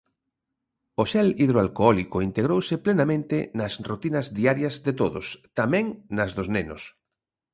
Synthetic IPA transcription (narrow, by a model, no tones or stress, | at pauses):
oʃɛliðɾoalkoɔlikoint̪eɣ̞ɾowsɪplenamẽnt̪ɪnɐsrot̪inɐzðiaɾjɐzðet̪oðo̰st̪amɛ̃ŋnɐzðoznenʊ̰s